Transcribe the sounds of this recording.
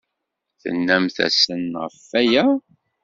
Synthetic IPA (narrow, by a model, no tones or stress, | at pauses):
θə̰nːæmθæ̰sənʁəfːæjæ